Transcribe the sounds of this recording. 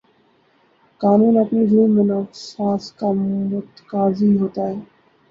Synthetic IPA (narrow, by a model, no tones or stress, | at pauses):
kaːnũːnɐpnid͡ʒiːmẽnɔːfsaːskamʊt̪kaːziɦoːt̪aːɦɛː